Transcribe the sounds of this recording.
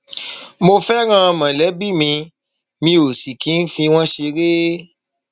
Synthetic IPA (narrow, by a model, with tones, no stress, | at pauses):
mo˧fɛ˦ɾ̃ã˦˧mã˨lɛ˨˦bi˦˨mĩ˧ | mĩ˧o˨si˨kĩ˨˦n̩˦fĩ˧w̃ɔ̃˦ʃe˧ɾe˦